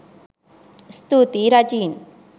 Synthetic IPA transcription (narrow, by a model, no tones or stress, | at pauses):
st̪uːt̪iɾɐd͡ʒiːn